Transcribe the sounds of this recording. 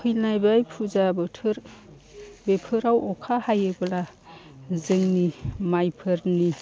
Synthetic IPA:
kʰɯjlajbajpʰuzabɯtʰɯɾ | bepʰɯɾawɔkʰahajɯbɯla | zɯŋnimajpʰɯɾni

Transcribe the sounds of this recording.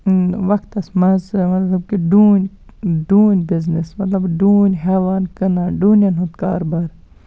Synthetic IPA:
ʋɐkt̪ɐsmɐzmɐt̪lɐb̚kiɖuːnʲ | ɖuːnʲbiznismɐt̪lɐbɖuːnʲɦɛːʋaːnkɨnaɖuːnɐnɦũt̪ka̰ːɾbɐɾ

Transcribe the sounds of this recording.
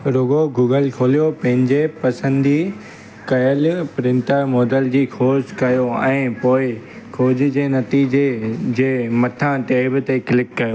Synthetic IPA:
ɾoːɡoɡuːɡəlkʰoːlijopɐ̃ɦɪ̃ɲd͡ʑepɐsə̃nd̪i | kɐjəlpɾɪ̃nt̪amoːɖəld͡ʑiːkʰoːskɐjoɛ̃ːpoːɪ | kʰoːd͡ʑɪd͡ʑeːnɐt̪iːd͡ʑed͡ʑeːmɐt̪ʰãt̪ɐɦbɪt̪ekɪlɪkːɐjoː

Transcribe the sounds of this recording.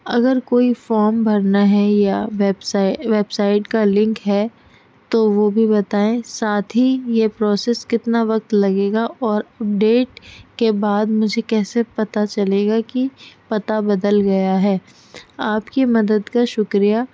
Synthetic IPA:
ɐɡəɾkoːifɔːɾmbʱɐɾnaɦɛjaʋebsʋebsaːɪʈkalɪ̃ŋkɦɛ | t̪oʋobʱibɐt̪aːẽsaːt̪ʰɦijepɾɔːsɛːskɪt̪naʋɐk̚t̪lɐɡeːɡaʔɔːɾɐp̚ɖeːʈkebaːd̪mʊd͡ʒʱekɛːsepɐt̪at͡ʃɐleːɡakipɐt̪abɐd̪əlɡɐjaɦɛː | aːpkimɐd̪əd̪kaʃʊkɾija

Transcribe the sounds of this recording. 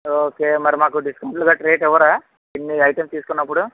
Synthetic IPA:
oːkeːmɐɾimaːkuɖiskɐwɳʈluɡaːʈɾeːʈɛʋːɐɾaː | inːiɐjʈɐmst̪iːsukunːɐpːuɽu

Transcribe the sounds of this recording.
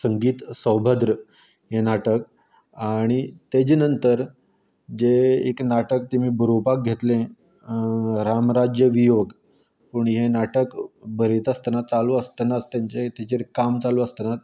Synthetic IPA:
səŋɡiːt̪səwbʱəd̪ɾə | ɦenaʈək̚ | aɽ̃it̪jet͡ɕenənt̪əɾ | d͡ʑeḛknaʈəkt̪emiːbʱɾopak̚ɡʱet̪lẽ | ɾamɾad͡ʑjəʋijoɡ | puɳɦenaʈəkbʱəɾit̪əst̪ənat͡saluːəst̪ənat͡st̪jeɲt͡ɕet̪et͡ɕeɾkamt͡saluəst̪ənat̪

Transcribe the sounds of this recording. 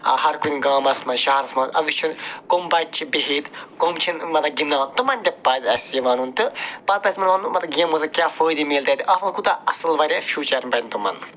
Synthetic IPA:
ɐ̰hɐɾkunʲɡaːmɐsmɐnʃɐɦɐɾɐsmɐnʔɐ̰ʋɨt͡ʃʰunkombɐʈ̚t͡ʃʰibeɦit̪komt͡ʃʰinmɐt̪ɐɡinːaːnt̪umɐnʲd̪ʲɐpaːzʲɐsiʋaːnunt̪ɨpɐːt̪̚pɐsʲmɐnʋɐnmɐt̪ɐɡʲemuzɐkʲafəːd̪imeːld̪ɐːt̪iʔɐpɐnkut̪aɐsɨlʋɐɾʲɐfʰʲjuːt͡ʃɐɾnbɐnʲt̪umɐ̰n

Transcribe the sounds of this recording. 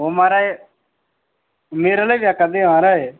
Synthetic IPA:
omaːɾaːe | meːɾəlebijaːkəd̪eːmaːɾaːɦeː

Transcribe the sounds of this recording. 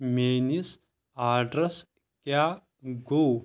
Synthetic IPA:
meːnis | aːɖɾɐs | kjaː | ɡo

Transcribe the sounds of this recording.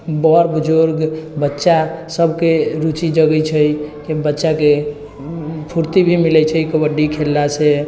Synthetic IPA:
bɔɾbud͡ʒoɾɡbətːʃasəbʱkeɾut͡ʃid͡ʒəɡəjt͡ʃʰəjkebətːʃake | pʰuɾt̪ibʱimilɛt͡ʃʰəjkəbəɖikʰelːase

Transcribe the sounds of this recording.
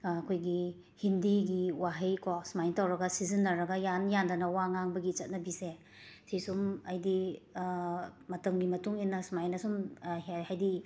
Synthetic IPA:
ɐkʰojɡi | hindiɡiwaɦejkɔsmajntɐwɾɐɡɐsizinːɐɾɐɡɐjanjandɐnɐwaŋaŋbɐɡit͡ʃɐt̚nɐbise | sisumɐjdi | mɐtɐmɡimɐtuŋinːɐsmajnɐsumɦhajdi

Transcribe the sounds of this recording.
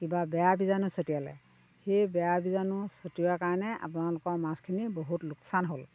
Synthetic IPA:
kibabɛjabizanusotijalɛ̰ | xejbɛjabizanʊsotiwakaɹɔnɛa̰pʊnalʊkɔɹmaskʰiniboɦutlʊksanɦol

